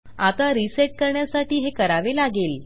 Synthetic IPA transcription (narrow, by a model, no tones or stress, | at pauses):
at̪aɾiseʈ̚kəɾɳjasaʈiːɦekəɾaʋelaɡel